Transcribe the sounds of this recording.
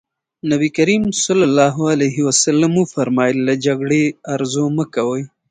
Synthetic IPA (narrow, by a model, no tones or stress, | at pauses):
nabikaɾimsʊlalːɑɦʊalejɦɪwasalamufaɾmɑjəlːad͡ʒaɡɽeaɾzoməkawəj